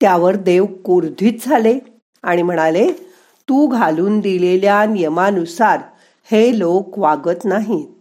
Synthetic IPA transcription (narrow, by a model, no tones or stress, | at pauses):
t̪jaʋəɾd̪eʋkuɾd̪ʱiːt̪̚d͡zʱale | aɽ̃im̤əɽ̃ale | t̪ũːɡʱaluːnd̪ileljanijəmanusaɾ | helokʋaɡət̪naɦiː